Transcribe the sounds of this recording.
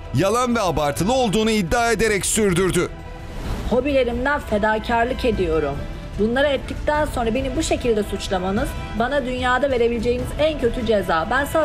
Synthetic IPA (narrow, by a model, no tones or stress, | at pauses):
jalˠanvɛabaɾt̪ʰɯlˠɯo̞lˠd̪uːnuid̪ːaːe̞d̪e̞ɾɛcsyɾd̪yɾd̪y | ho̞bilʲe̞ɾimd̪ænfe̞d̪aːcʰaɾlˠɯke̞d̪ijo̞ɾum | bunlˠaɾaɛt̪ʰːic̚t̪ænso̞nɾabe̞nibuʃe̞cilʲd̪ɛsut͡ʃlˠamanɯz | banad̪ynjaːd̪ave̞ɾe̞bilʲed͡ʒe̞jinizæncʰø̞t̪ʰyd͡ʒezaːbænsa